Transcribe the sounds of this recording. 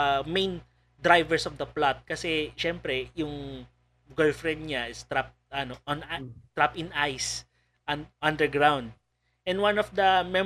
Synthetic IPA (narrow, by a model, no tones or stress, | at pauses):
mẽjn | d̪ɾajvɛɹsɔfd̪ɐplat̪̚kɐsɛʃɛmpɾɛjʊŋ | ɡɔlfɹɛ̃nd̪̚ɲaʔɪst̪ɾap̚ʔɐnoʔɔnat̪ɹapɪ̃najs | ʔɐʔɐ̃nd̪ɛɹɡɹawnd̪̚ | ʔɛ̃nwãnɔfd̪ɐmɛ